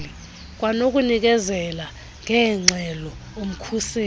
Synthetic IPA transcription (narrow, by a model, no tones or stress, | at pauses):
li | k̬ʼwanok̬ʼunik̬ɛzɛla | ŋɛːŋ͡ǀʱɛlɔum̩kʰuseː